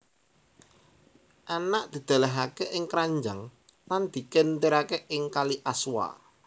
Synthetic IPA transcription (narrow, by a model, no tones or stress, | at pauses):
ʔanaʔd̪̥i̤d̪̥ä̤laɦakeʔɪŋkɾaɲd͡ʒaŋ | land̪̥i̤kent̪iɾakeʔɪŋkaliʔaswa̰